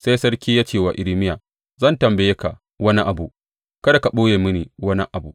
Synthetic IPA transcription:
sa˦jsɐ˦ɽkʲiː˦jaː˦t͡ʃeː˨waː˨ʔɪ˨ɽi˦mɪ˦jaː˨ | zɐ˦˨ntɐ˨mbe˨je˦ka˨ | wɐ˦ni˦ʔa˨bu˦˨ | kɐ˦da˨ka˨ɓoː˦jeː˨mʊ˦niː˨wɐ˦nḭ˦ʔa˨bṵ˨

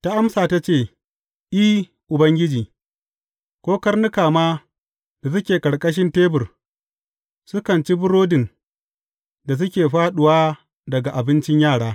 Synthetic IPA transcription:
ta˦ʔa˦msaː˨ta˦t͡ʃeː˦˨ | ʔiː˦ | ʔʊ˨bɐ˦ŋɡʲɪ˦d͡ʒiː˨ | kʷoː˦kɐ˦rnʊ˦kaː˨maː˦ | d̥a˨s̬ʊ˦kʲeː˨kʼɐ˨ɽkʼɐ˦ʃ̬ɪ˦nteː˦bʊ˨r | sʊ˦kɐ˨nt͡ʃi˦bʊ˦ɽoː˦dɪ˨n | da˨s̬ʊ˦kʲeː˨ɸaː˦ɗʊ˨waː˦ | dɐ˨ɡa˨ʔa˨bɪ˦nt͡ʃɪ˦ɲjaː˦˨ɽaː˦

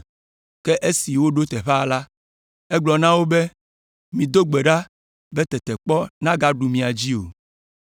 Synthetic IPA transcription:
kɛ˦ʔe˦si˨wo˦ɖo˦t̪ɛ˨ɸɛ˦˨la˦ | ɛ˦ɡ͡blɔ˨nã˦wo˦be˦ | mĩ˨d̪o˦ɡ͡be˨ɖa˦ | bɛ˦t̪ɛ˨t̪ɛ˨k͡pɔ˦nã˦ɡa˦ɖu˨mĩ˨a˨d͡ʑi˦o˨

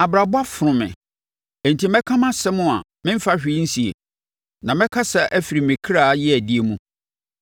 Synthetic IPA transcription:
a˨bɾa˨bʊ˦a˦fɾʊ̃˨mɪ̰̃˨ | e˨n˨tʰi˨mɛ̃˦kʰã˦mã˦sɛ˦mʊ̃˦a˨ | mɪ̃˦m˦fa˦ɕᶣi˦n̩˦si˨ḛ˨ | nã˨mɛ̃˦kʰa˦sɛ˦ʔæ˦fi˨ɾi˨mɪ̃˨kʰɾa˦˨˦jɪ˦æ˨di˦e˦mũ˦

